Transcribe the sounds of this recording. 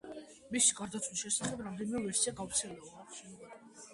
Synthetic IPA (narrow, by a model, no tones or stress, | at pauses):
misiɡaɾd̪at̪sʰwiʃɛsaχɛbɾamd̪ɛnimɛvɛɾsiaɡauɾt̪sʰɛlɛbu